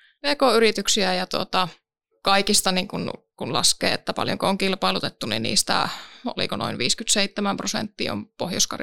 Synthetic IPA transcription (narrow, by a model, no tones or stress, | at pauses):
ʋeːkoyrit̪yksiæjɑt̪uot̪ɑ | kɑikist̪ɑniŋkun | kunlɑ̰skḛːet̪ːæpɑ̰ljo̰ŋkooŋkilpɑilut̪et̪ːunḭnnḭːst̪æ̰o̰lḭkonʔo̰inʋiːskyt̪seit̪ːæmæmprosḛnt̪ːḭo̰mpohjoskɑ̰r